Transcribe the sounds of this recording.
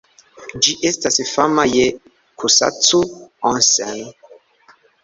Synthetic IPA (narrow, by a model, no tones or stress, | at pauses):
d͡ʒiʔestasfamaje | kʰusa̰tuɔ̃nsɛm